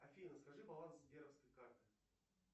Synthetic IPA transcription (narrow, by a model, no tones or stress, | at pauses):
ɐfʲinəskɐʐɨbɐlˠanszbʲeɾəfskəjkart̪ɨ